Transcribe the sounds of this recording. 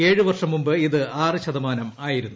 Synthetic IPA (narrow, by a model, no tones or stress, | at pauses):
eːɻɨʋɐrʂɐmːumbɨiðɨaːrɨɕɐðɐmaːnɐmaːjiɾunːu